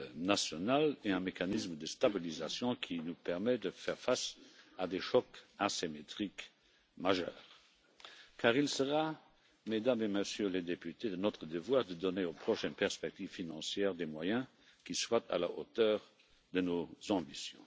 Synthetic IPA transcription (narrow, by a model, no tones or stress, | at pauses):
nasjɔnaleɛ̃mekanisməd̪əst̪abilizasjɔ̃kʰinupɛʁmɛd̪əfɛʁfasad̪eʃɔkaʁsemet̪χik | maʒœ̰ːʁ | kʰaːʁilsəʁa | med̪ameməsjøled̪epyt̪ed̪ənɔt̪χəd̪əvwaːʁd̪əd̪ɔneopχɔʃɛnpɛʁspɛk̚t̪iv̥finɑ̃sjɛːʁd̪emwajɛ̃ | kiswat̪ʰa̰la̰ʔo̰t̪œːʁ | d̪ənozɑ̃bisjɔ̰̃